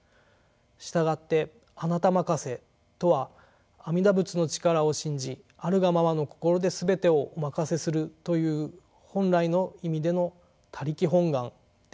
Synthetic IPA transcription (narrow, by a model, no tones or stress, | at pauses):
ɕi̥t̪aɡat̪ːe̞ | anat̪amakase̞ | t̪o̞βaː | mʲid̪abɯ̟t͡sɨno̞t͡ɕi̥kaɾao̞ɕĩɲ̟d͡ʑi | aɾɯ̟ɡamaβano̞ko̞̥ko̞ɾo̞d̪e̞sɨbe̞t̪e̞o̞ʔomakase̞sɨɾɯ̟t̪o̞jɯ̟ː | hõ̞nɾaino̞imʲid̪e̞no̞ | t̪ʰaɾʲikʲiɦõ̞ŋɡãŋ